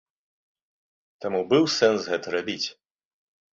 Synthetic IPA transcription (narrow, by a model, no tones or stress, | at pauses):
t̪amubɨwsɛnsɣɛt̪ɐɾabʲit͡sʲ